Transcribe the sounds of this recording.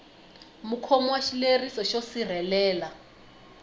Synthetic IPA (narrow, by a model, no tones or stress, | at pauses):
mukʰɔmɔwaʃilerisɔʃosir̤ɛlɛːla